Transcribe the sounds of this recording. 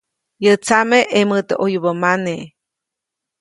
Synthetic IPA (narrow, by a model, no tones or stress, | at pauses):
jət͡sameʔemɨt̪eʔojbəmane